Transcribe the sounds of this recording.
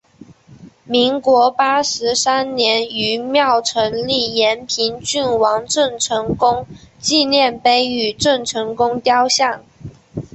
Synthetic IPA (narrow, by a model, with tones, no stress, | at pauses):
mi˧˥ŋkwɔ˧˥pa˥ʂɻ̩˧˥sa˥nnjɛ˧˥ny˧˥mjɑ˥˩ʊʈ͡ʂʰɤ˧˥nli˥˩jɛ˧˥npʰi˧˥nt͡ɕy˥˩nwɑ˧˥ŋʈ͡ʂɤ˥˩ŋʈ͡ʂʰɤ˧˥ŋkʊ˥ŋt͡ɕi˥˧njɛ˥˩npe˥ɪy˨˩ʈ͡ʂɤ˥˩ŋʈ͡ʂʰɤ˧˥ŋkʊ˥ŋt̪jɑ˥ʊɕjɑ˥˩ŋ